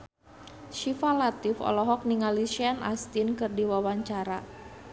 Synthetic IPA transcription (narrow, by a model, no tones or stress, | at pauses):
ʃifalat̪ɪfɔ̰lɔɦɔk̚niŋaliʃiana̰st̪ɪnkɨrdiwawaɲt͡ʃaɾa